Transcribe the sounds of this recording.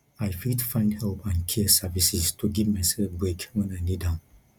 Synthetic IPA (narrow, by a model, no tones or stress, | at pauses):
ajfitfãɪ̃ndhɛlˠpʰãnkʰɛsɛvisistʰuɡivmasɛlfbɹekwɛ̃naɪnidãʊ̃n